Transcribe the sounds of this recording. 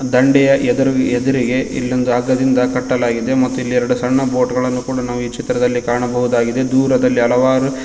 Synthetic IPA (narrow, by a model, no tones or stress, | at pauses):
d̪ɐɳɖɛjɐʔɛd̪uɾuɛd̪uɾiɡe̞ḭlːond̪uaːɡːɐd̪ind̪ɐkɐʈːɐlaːɡid̪e̞mɐt̪ːuilːiɛɾɐɽusɐɳːɐboːʈɡɐɭɐnːukuːɽɐnaːʋuit͡ʃit̪ːɾɐd̪ɐlːikaːɳɐbɐɦud̪aːɡid̪e̞d̪uːɾɐd̪ɐlːiɐlɐʋaːɾu